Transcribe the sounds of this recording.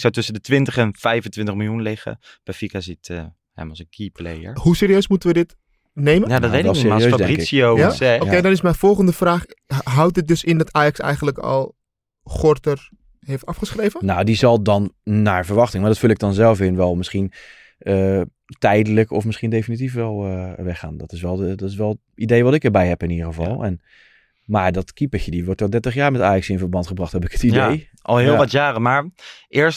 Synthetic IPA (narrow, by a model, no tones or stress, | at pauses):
ɪksawtɵsəndətʋɪntəχɛnfɛjvəntʋɪntəχmɪlˠjunlɪχə̰ | b̥ɛfikazitə | hɛ̰mˠsəkʰipleəɹɦusɪːɾijøɥsmutənʋədɪt | nejməjadɔtʋedɪɔssɪːjøːsfdɛkɪksioaoedɔnɪsmɛjnfɔlˠχəndəfraːχɦʌwt̚dɪt̚dɵsɪndɑtʰaːjɑksɛ̰jχəntləkɔ̰lˠ | χɔɹtər | ɦejftɑfχəsχrejvənnawdizɑlˠdɑnnaːɹvəɹʋɑχtɪŋmaːɹdɔtfʉlˠɪk̚dɑnzɛlˠfɪnʋɛlˠmɪsχin | ʔə | tɛjdələkɔfmɪsχindejfinit̬ifʋɛlˠəʋɛχa̰ːndɔtɪsʋɛlˠədɔtɪs̬ʋɛlˠə | idejʋɑtɪkəɹbɛjɦɛpɪnidəɹəvɑlˠɛn | maːɹdɑtkipəxjədiʋɔɹtɔlˠdɛɹtəχjaːɹmɛtaːjɑksɪnfəɹbɑntχəbrɑχthɛpɪkətidej | ʔɑ̰lˠɦɪlˠʋɑtjaːrəmaːɹʔɪːəɹst